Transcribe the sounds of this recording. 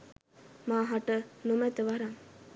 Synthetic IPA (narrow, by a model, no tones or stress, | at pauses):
maːɦaʈənumæt̪əʋaɾaŋ